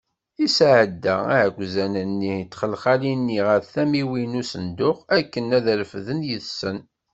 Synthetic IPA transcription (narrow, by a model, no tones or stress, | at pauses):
isʕəd̪ːææhɡʷzænənːit͡sːχəlχalinːiʁəɾθæmiwinusənd̪ʊχækːənæðɾəfðənjəθsən